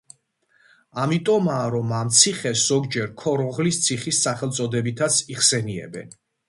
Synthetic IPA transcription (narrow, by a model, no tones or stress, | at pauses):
amit̪ʼɔmaɾɔmamt̪sʰiχɛsz̥ɔɡd͡ʒɛɾkʰɔɾɔʁlist̪sʰiχisːaχɛlt̪sʼɔd̪ɛbit̪ʰat̪sʰiχsɛniɛ̰bɛ̰n